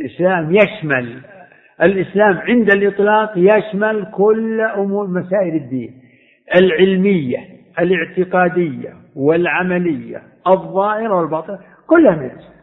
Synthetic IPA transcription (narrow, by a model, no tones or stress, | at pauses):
lʔɪslaːmjaʃmal | ʔɪlʔɪslaːmʕɪnd̪alʔɨt̪ˤlɑːqjaʃmalkʊlʔʊmuːɾmasaːʔɪlɪd̪ːḭːn | ʔɪlʕɪlmɪjːaʔɪlɪʕt̪ɪqɑːd̪ɪjːa̰ | wɪlʕamalɪjːa̰ | ʔɨðˤːɑːhɪɾawɪlbɑːt̪ˤɨɾ | kʊlːhamɪʃ